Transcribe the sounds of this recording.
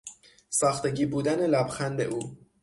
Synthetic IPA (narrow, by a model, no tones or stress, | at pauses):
sɒːxt̪e̞ɟiːbuːd̪æne̞læbxænd̪e̞̰ʔuː